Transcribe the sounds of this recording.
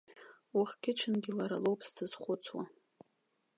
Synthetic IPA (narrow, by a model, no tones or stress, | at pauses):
wuχkʲʰɪt͡ʃʰɨnɡʲɪlaɾa̰lowpʼstʰɨz̥χʷʊt͡sʰwa̰